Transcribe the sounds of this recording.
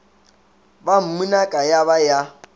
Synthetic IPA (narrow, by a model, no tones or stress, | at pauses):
bam̩munakʼajaβaja